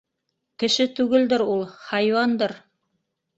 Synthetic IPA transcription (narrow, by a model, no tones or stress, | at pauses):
kɘ̆ʃɘt̪ʉɡɘld̪ɘɾulˠhɑjwɑnd̪ɤɾ